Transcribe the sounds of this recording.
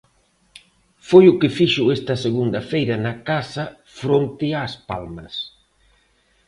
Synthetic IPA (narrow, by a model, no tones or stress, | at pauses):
fojʊkɪfiʃʊɛst̪ɐseɣund̪ɐfejɾɐnɐkasɐ | fɾont̪ɪaspa̰lmɐs